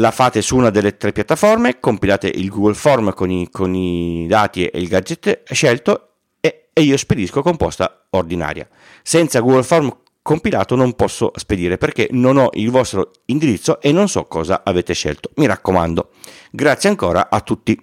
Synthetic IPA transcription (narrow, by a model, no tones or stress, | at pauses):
lafaːt̪esuuːnad̪elːet̪ɾepːjat̪ːafɔrmekompilaːt̪ḛʔilɡuɡolfɔrmkonikʰonid̪aːt̪iḛilɡad͡ʒet̪ːɛʃɛlt̪o | eiːosped̪iskokompɔ̰st̪a | ord̪ina̰ːɾja̰ | sɛnt̪saɡuɡolfɔrm | kompila̰ːt̪onompɔsːo̰sped̪iːɾeperkenonɔʔilvɔst̪ɾo | ind̪iɾit̪sːoʔenːonsɔ̰kːɔːza̰ʔaveːt̪eʃɛ̰lt̪o̥miɾakːoma̰nd̪o | ɡɾat̪sjeaŋkoːɾa̰ʔat̪ːut̪ːi